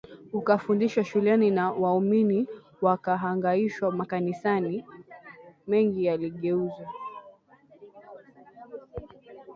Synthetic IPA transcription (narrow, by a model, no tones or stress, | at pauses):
ukafundiʃwaʃulɛninawaumini | wakaɦaŋɡaiʃwamakanisani | mɛŋɡijaliɠɛuzɔ